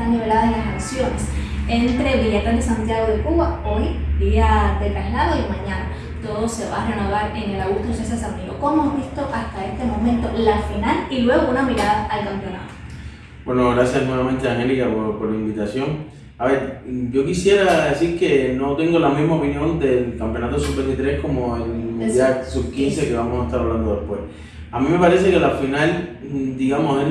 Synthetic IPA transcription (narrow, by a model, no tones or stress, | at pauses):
anniβe̞laðalaskansjo̞nese̞nt̪ɾeβiʎe̞t̪aɦðe̞sant̪jaɣo̞ðekuβaojd̪iaðe̞t̪ɾaslaðoimãɲãna | t̪o̞ðose̞βaːre̞noβaɾe̞ŋelaɣuht̪ɾosesasamio̰koemozβist̪o̞ʔast̪ae̞st̪e̞mo̞mẽ̞nt̪o̞lafinalilwe̞ɣounamiɾaðaːlkampjo̞na̰t̪o̥ | bwe̞no̞ɣɾasjasnwe̞βamẽnt̪eaŋhe̞likapoɾpo̞ɾlaimbit̪asjo̞ŋ | aβe̞ɾɟ͡ʝo̞kisje̞ɾaðe̞siɾke̞no̞t̪e̞ŋɡo̞lamĩzmaopinjõ̞nd̪e̞lkampjonat̪osupeset̪ɾe̞hko̞moenmejasub̚kinse̞keβamosaet̪aɾaβland̪o̞ðe̞hpwe̞̰s | amĩme̞paɾe̞se̞kelafinald̪iɣamose